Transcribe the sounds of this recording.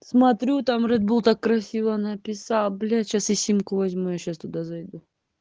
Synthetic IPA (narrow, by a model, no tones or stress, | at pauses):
smɐt̪ɾʲut̪amrɛd̪bulˠt̪akːɾɐsʲivənɐpʲɪsalˠblʲaɕasɪsʲimkʊvɐzʲmujaɕast̪ʊd̪azɐjd̪u